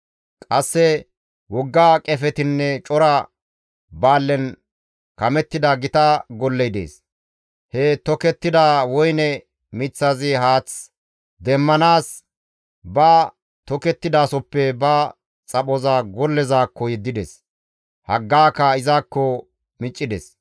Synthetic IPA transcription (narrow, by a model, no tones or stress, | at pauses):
kʼɐsːɛ | wɔɡːaːkʼɛfɛt̪ɪnːɛt͡ʃʼɔɾɐ | baːlːɛn | kɐmɛt̪ːɪd̪ɐɡɪt̪ɐɡɔlːɛjd̪ḛːs | hɛt̪ɔkɛt̪ːɪd̪aːwɔjnɛ | mɪt͡sːazɪɦaːt͡s | d̪ɛmːɐnaːs | bɐ | t̪ɔkɛt̪ːɪd̪aːsɔpːɛbɐ | t͡sʼɐɓɔzɐɡɔlːɛzaːkːɔjɛd̪ːɪd̪ɛs | hɐɡːaːkːɐɪzaːkːɔ | mɪt͡ʃʼːɪd̪ɛs